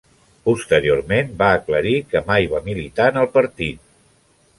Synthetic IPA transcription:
pust̪əɾiormenbaəkləɾikəmajβamilit̪aənəlˠpəɾt̪it̪̚

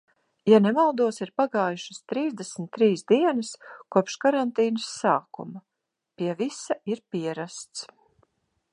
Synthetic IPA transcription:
janɛmalˠd̪uɔsiɾpaɡaːjuʃast̪ɾiːzd̪ɛsmt̪ːɾiːsd̪iɛnɐskuɔpʃkaɾant̪iːnɐsːaːkṵma | piɛvisaiɾpiɛɾast̪s

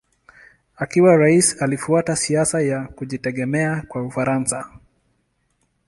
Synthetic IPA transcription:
akiwaɾaisalifuatasiasajakuʄitɛɠɛmɛakwaufaɾansa

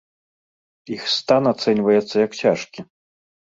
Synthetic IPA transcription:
ixst̪anat̪sɛnʲvɐjɛt̪sːɐjɐkt͡sʲaʂkʲi

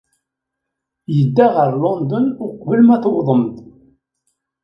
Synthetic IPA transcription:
jəd̪ːaʁəɾlond̪ənʊqvəlmæθwðˤəmt̪

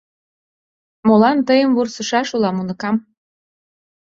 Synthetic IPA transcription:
molɑnt̪əjəmvursə̆ʃɑʃulɑmunə̆kɑm

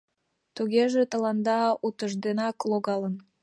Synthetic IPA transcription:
t̪uɣeʒet̪ə̆lɑnd̪ɑut̪əʒd̪enɑkloɣɑlən

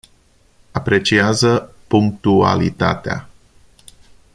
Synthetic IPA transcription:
apɾe̞t͡ʃiazə | puŋk̚t̪ua̰lḭt̪a̰t̪ea̰

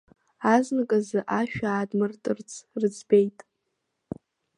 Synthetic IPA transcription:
aznɨkʼazɨʔaʃᶣaːdmɨrtʼɨrt͡sʰrɨd͡zʰbejtʼ

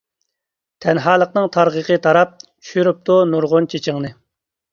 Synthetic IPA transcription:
t̪ʰɛnɦɑːlˠəqnɨŋt̪ʰɑɾʁəqʰət̪ʰɑɾɑp̚t͡ʃʰy̥ʃyɾyp̚t̪unuɾʁʊnt͡ʃʰet͡ʃʰɪŋnɨ

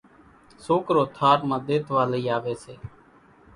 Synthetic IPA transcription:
soːkɾoːt̪ʰaːɾmãːd̪eːt̪ʋaːləiːaːʋeːseː

